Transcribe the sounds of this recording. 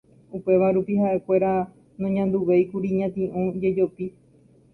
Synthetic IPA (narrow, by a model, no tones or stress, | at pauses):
upe̞ʋaɾupiɦaʔe̞kʷe̞ɾa | nõɲãnd̪uʋe̞jkuɾiɲãt̪ĩʔũd͡ʒe̞d͡ʒo̞pi